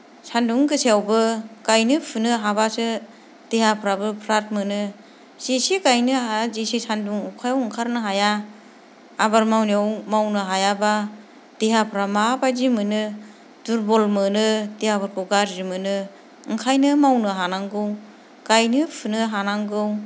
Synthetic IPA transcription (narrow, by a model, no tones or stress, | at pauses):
sanduŋɡɯseawbɯkajnɯpʰɯnɯɦabasɯ | d̥eɦapʰɯɾabɯpʰɾat̚mɯnɯ | sisikajnɯazisisanduŋukʰajawŋkʰaɾnɯɦajaː | baɾmawniawmawnɯɦajaba | d̥iɦapʰɾamabazimɯnɯ | duɾbɔlmɯnɯdeabaɾkɔɡaɾzimɯnɯ | ɯŋkʰajnɯmawnɯɦanaŋɡɯw | kajnɯpʰɯnɯɦanaŋɡɯw